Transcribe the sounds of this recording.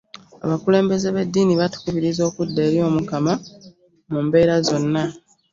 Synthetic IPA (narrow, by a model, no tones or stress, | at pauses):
a̰βakule̞ːmbe̞ze̞βe̞dːiːniβatu̥kuβiɾizo̞ːkudːe̞ːɾjo̞ːmukama | mumbe̞ːɾazo̞nːa